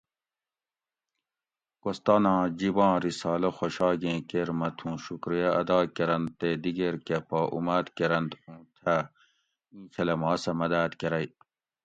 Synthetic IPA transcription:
kost̪aːnãːd͡ʑibɑ̃ːɾisɑːlɐxoɕɑːɡẽːkeɾmɐt̪ʰũːɕukɾijɐɐd̪ɑːkeɾɐnd̪t̪ed̪iɡeɾkepaːʔṵmaːd̪keɾɐnd̪ũːt̪ʰa | ĩːkʰɐlɐmaːsɐmɐd̪aːt̪keɾɐj

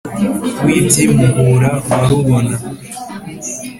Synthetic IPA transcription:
witimuhuɾawaɾuβona

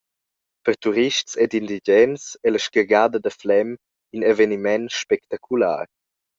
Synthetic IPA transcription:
pəʁt̪uɾiʃtt͡sɛdindiɟɛnsɛləʃkəɡadədəflɛm | inevenimɛnʃpɛk̚t̪akʰula̰ːr

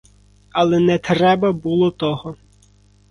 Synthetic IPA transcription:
ɐlˠɛnɛt̪ɾɛbɐbulˠɔt̪ɔɦɔ

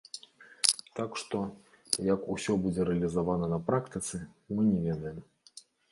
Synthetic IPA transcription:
t̪akʂt̪ɔ | jɐkusʲɔbud͡zʲɛɾɛɐlʲizavanɐnɐpɾakt̪ɨt̪sɨmɨnʲɛvʲɛd̪ɐjɛm

